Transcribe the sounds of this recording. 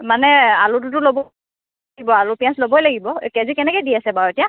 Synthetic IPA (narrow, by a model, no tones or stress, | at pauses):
manɛalut̬ʊtʊlobɔ | ibɔalʊpijãnslobɔjlaɡibɔkɛzikɛnɛkɔjdiasɛbaɹetija